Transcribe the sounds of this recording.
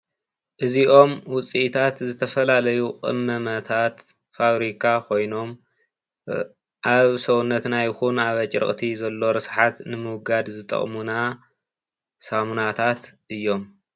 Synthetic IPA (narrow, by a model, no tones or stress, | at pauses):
ʔɨziʔo̞mwʊt͡sʼiʔt̪ʰat̪zɨt̪ʰɐfɐlalɐjuqʼɨ̰mːɐmɐt̪ʰat̪ | faβɾikʰakʰo̞jno̞m | ʔaβsɐwunːɐt̪najɪxunaβɐt͡ʃʼɾɨ̰χʼt̪ʰizɐlːo̞ɾɨsħat̪nɨmɨwɡad̪zɨt̪ʼɐ̰χʼmuna | samunat̪ʰat̪ʔɨjːo̞m